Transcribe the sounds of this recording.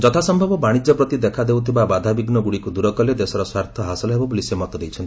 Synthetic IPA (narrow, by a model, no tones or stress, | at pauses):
d͡ʒɔt̪ʰasɔmbʱɔbɔbaɽ̃id͡ʒɔpɾɔt̪id̪ekʰad̪ewt̪ʰibabad̪ʱabiɡnɔɡuɽikud̪uɾɔkɔled̪esɔɾɔswaɾt̪ʰɔɦasɔlɔɦebɔbolisemɔt̪ɔd̪ejt͡ʃʰɔnt̪i